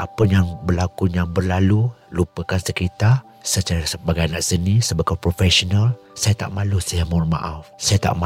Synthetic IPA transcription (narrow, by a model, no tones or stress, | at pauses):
ʔapəjaŋbərlakuɲaŋbərlalu | lupəkansəkit̪a | sət͡ʃaɾasəbaɡajanaʔsənisəbaɡapɾofɛsonal | sajat̪a̰ʔmalusajamɔrma̰ʔafsajat̪a̰ʔma